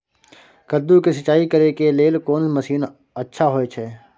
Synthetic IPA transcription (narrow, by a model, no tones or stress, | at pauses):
kəd̪ːukisɐt͡ʃaːikəɾekeleːlkoːnsməsiːn | ɐtːʃʰaɦoet͡ʃʰɛː